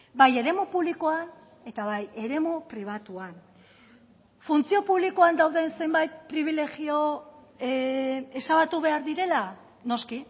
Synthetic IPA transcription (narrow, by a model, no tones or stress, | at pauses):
baje̞ɾe̞mupuβlikoan | e̞t̪aβ̞aje̞ɾe̞mupɾiβ̞at̪uan | funt͡sio̞puβlikoand̪awðense̞mbajt̪̚pɾiβ̞ile̞ɣio̞ | e̞saβat̪uβ̞e̞aɾðiɾe̞la | no̞ski